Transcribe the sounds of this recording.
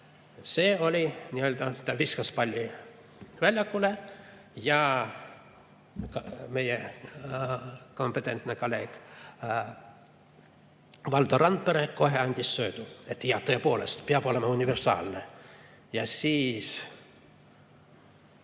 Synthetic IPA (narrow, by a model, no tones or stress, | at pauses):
seːo̞lʲinʲiøld̪ɑt̪æʋiskɑspɑlʲːi | vælʲjɑkːule | jɑ | me̞je | ko̞mpet̪ːˑe̞nt̪nekoleːk | ʋɑld̪ɑrɑnd̪̚peɾekko̞ɦeɑnʲd̪ʲisːøːd̪̥uet̪ːiɑt̪øːpolest̪piɑb̥o̞lemɑunʲiversɑ̰ːlne | jɑsiːs